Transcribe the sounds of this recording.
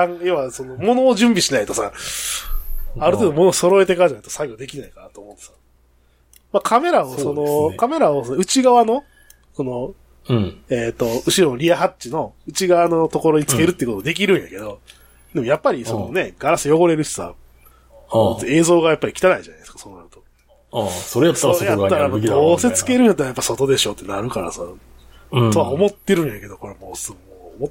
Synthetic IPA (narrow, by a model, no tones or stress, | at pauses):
ãŋjoβaso̞no̞mo̞no̞ːʑɨ̃mbʲiɕinait̪o̞sa | aɾɯt̪eːd̪omo̞no̞so̞ɾo̞et̪e̞kad͡ʑanai̥t̪osaɡʲo̞ːd̪e̞kʲinaikanat̪o̞ːmo̞t̪ːe̥sḁ | makʰame̞ɾaoso̞nokame̞ɾaosonoɯ̟t͡ɕiɡaβano̞ | so̞no̞ | eːt̪ːo̞ɯ̟ɕiɾo̞noɾʲiaɦat͡ɕt͡ɕino̞ɯ̟t͡ɕiɡaβano̞t̪o̞ko̞ɾo̞ɲ̟it͡sɨ̥ke̞ɾɯt̪ːeiɯkot̪od̪e̞k̬ʲiɾɯ̟̃ɰ̃ja̰ke̞d̪o̞ | d̪e̞mo̞japːaɾʲiso̞none̞ɡaɾasɨjo̞ɡo̞ɾe̞ɾɯ̟çi̥t͡sa̰ | t̪e̞ːzo̞ːɡajapːaɾikʲi̥t̪anaiʑanajd̪eskḁsonojot̪o | soɾat̪ːoɾejat̪ːaɾad̪oːse̞t͡sɨ̥ke̞ɾɯ̃ɲ̃jat̪ːeajapːaisot̪o̞d̪e̞ɕo̞ːt̪ːenaɾɯ̟kaɾa̰sa | t̪o̞βaomo̞t̪ːe̞ɾɯ̟̃ɰ̃jake̞d̪o̞ko̞ɾemoːsomot̪ː